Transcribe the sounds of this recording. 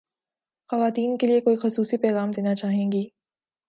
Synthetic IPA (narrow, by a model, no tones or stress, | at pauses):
xɐʋaːt̪iːnkeliekoːixʊsuːsipɛːɣaːmd̪eːnat͡ʃaːɦẽːŋɡiː